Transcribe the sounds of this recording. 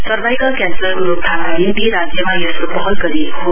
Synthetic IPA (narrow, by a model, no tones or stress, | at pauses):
sʌrbajkʌkjanslʌrkuɾop̚t̪ʰanaɦind̪iɾad͡zjʌmajʌsɾopʌɦʌlɡʌɾiekoɦo